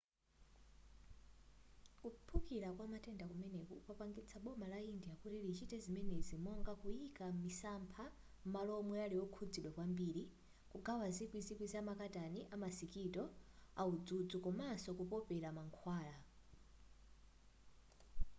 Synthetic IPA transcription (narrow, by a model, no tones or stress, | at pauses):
kupʰukiɾakwamatɛndakumɛnɛkupapaŋɡit͡sʰaɓɔmalaindijakutilit͡ʃitɛzimɛnɛzimɔŋɡakuikamisampʰa | m̩malɔmɔjalijɔkʰud͡ziɗwakwambiːɾi | kuɡʱawazikwizikwizamakataniʔamasikitɔaud͡zud͡zukɔmasɔkupɔpɛɾamaŋkʰwaːla